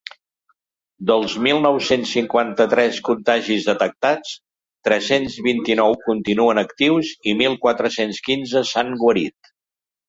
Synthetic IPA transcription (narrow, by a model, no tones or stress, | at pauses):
d̪əlˠzmilˠnɔwsensːiŋkwant̪ət̪ɾɛskunt̪aʒizðət̪ək̚t̪at͡s | t̪ɾɛsenzβint̪inɔwkunt̪inuənəkt̪iwzimilˠkwat̪ɾəsenskinzəsaŋɡwəɾit̪